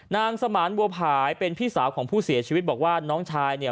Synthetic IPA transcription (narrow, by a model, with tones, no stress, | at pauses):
naː˧ŋsa˧maː˩˦nbu˧ɐpʰaː˨˦jpe˧npʰiː˥˩saː˩˦wkʰɔː˩˦ŋpʰuː˥˩si˨˩˦ɐt͡ɕʰi˧wt̪̚bɔː˨˩k̚waː˥˩nɔː˦˥ŋt͡ɕʰaː˧jni˥˩ə